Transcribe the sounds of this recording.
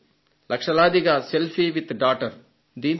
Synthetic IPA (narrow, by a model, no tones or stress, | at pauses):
lɐkʂɐlaːd̪iɡaselfiʋit̪ɖaːʈɐɾ | d̪iːn